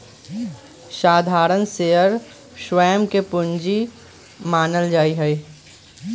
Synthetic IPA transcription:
ʃaːd̪ʱaːɾənseːəɾ | ʃʋɛːmkepʊ̃ɲd͡ʒi | maːnəld͡ʒaːiɦɛi

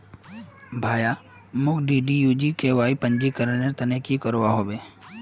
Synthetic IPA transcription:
bʱaːja | mʊkɖiɖijuːd͡ʒikeʋaːipə̃ɲd͡ʒikəɾəneɾt̪ənekikəɾʋaɦoːbeː

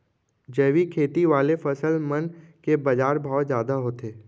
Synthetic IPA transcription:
d͡ʒəːʋikʰeːt̪iʋaːlefɐsəlmənkebɐd͡ʒaːɾbʱaːzjaːd̪aɦoːt̪eː

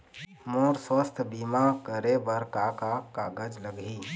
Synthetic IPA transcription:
moɾswəst̪ʰbimakəɾebəɾkakakaɡəd͡ʒləɡʱi

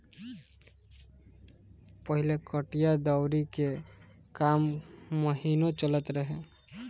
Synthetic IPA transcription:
pəɦilekəʈijad̪awɾike | kamːəɦinot͡ʃələt̪ɾəɦe

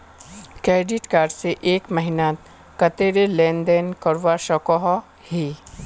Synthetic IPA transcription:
kɾeːɖiʈkaːɾɖseʔeːkməɦɪnat̪ | kɐt̪eːɾelẽːnd̪eːnkɐɾʋaʃɔkɔɦɔ | hi

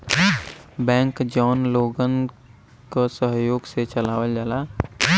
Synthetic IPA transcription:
bɛ̃ːŋkd͡ʒɔːnloːɡən | kasəɦjoːɡset͡ʃəlaːʋəld͡ʒalaː

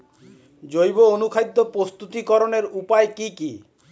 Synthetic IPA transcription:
d͡ʑojboonukʰajd̪ʱːopɾost̪ut̪ikɔɾoneɾupaekiki

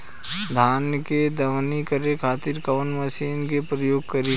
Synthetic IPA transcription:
d̪ʱaːnjked̪ɐʋnikəɾekʰaːt̪iɾkɐʋənməsiːnkepɾəjoːɡ̚kəɾe

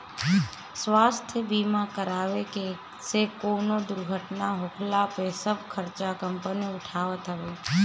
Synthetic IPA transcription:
sʋaːst̪ʰjəbiːmakəɾaːʋeke | sekoːnod̪ʊɾɡʱəʈnaɦoːkʰlapesəb̚ʱkʰəɾt͡ʃakəmpəniʊʈʰaːʋət̪ɦəʋeː

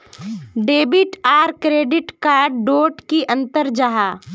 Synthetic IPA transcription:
ɖeːbɪʈaːɾkɾeːɖɪʈkaːɾɖɖoːʈkiʔɐ̃nt̪əɾd͡ʒaɦaː

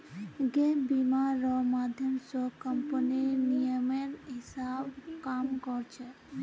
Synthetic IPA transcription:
ɡebimaɾɔmaːd̪ʱjəmsɔkəmpəninijəmeɾɦɪsabkaːmkɔɾt͡ʃʰɛ

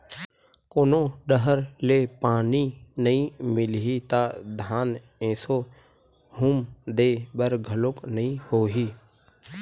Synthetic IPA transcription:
koːnoːɖəɦəɾleːpaːniːnəɦĩmɪlɦiːt̪aːd̪ʱaːn | ẽːsoː | huːmd̪eːbəɾɡʱəloknəĩhoːɦiː

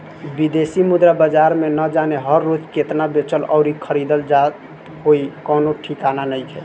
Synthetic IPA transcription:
bid̪esimud̪ɾabəd͡ʒaɾmenəd͡ʒaneɦəɾːod͡ʒket̪nabet͡ʃəlɔ̰ʊɾikʰəɾid̪əld͡ʒa | ɦoikɔnoʈʰikananəjkʰɛ̰

